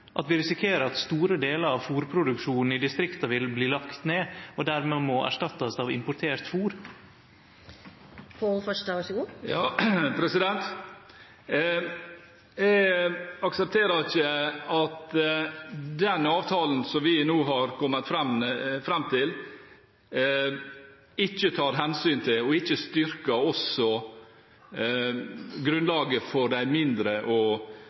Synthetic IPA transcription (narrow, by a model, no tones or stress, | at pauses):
ʔɑ̰t̪ʋɪɾɪsɪkʰeːɾəɾɑt̪st̪uːɾəd̪eːləɾɑʋfuːɾpʰɾʊd̪ʉkʂuːnn̩ɪd̪ɪst̪ɾɪkt̪ɑʋɪlbliːlɑkt̪neːɔd̪æɾmeːmɔʔæ̰ʂʈɑt̪ːɑsɑːʋɪ̰mpʊt̪ʰeːɾt̪fuːɾ | folfœʂʈəʋæsəɡuːjɑːpʰɾɛsɪd̪ɛnt̪ | jɛɡɑksɛp̚t̪ʰeːɾəɾɪçəɑt̪ | d̪ɛnɑːʋt̪ʰɑːln̩sɔmʋɪnuːɦɑɾkʰɔmːət̪fɾɛmfɾɛmːt̪ʰɪl | ɪçːət̪ʰɑːɾɦɛnsyːnt̪ʰɪlɔɪçːəst̪ʏɾkəɔsɔ | ɡɾʉnlɑːɡəfɔɾɖ̪æɪmɪnd̪ɾəʔɔ